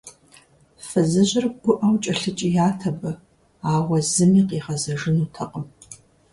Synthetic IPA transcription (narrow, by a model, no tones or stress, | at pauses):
fɐzɨʑɪrbʊʔɐwt͡ʃʼɐɬɨt͡ʃʼɪjaːtʰɐbɨ | aːʁʷɐzɨmiːqiːʁɐzɐʐɨnuːtʰɐqʼəm